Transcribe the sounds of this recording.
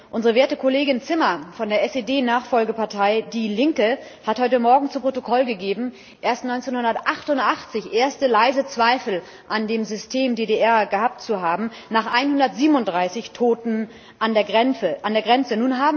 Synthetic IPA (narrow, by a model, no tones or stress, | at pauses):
ʔʊnzəʁəveːɐtəkʰoleːɡɪnt͡sɪmɐfɔndeːɐɛseːdeːnaːχfɔlɡəpaɐtʰaɪdiːlɪŋkə | hathɔʏtəmɔɐɡŋ̩t͡supʁ̥otokʰɔlɡəɡeːbm̩ | ʔeːɐstnɔʏnt͡seːnhʊndɐtʔaχtʊntʔaχt͡sɪçʔeːɐstəlaɪzət͡sv̥aɪfl̩ | ʔandeːmzʏstʰeːmdeːdeʔɛɐɡəhaːp̚tt͡suɦaːbm̩ | naːχʔaɪnhʊndɐtz̥iːbnʊntd̥ʁaɪsɪçtʰoːtn̩ | ʔandeːɛʔandeːɐɡʁɛnt͡sənuːnɦaːbm̩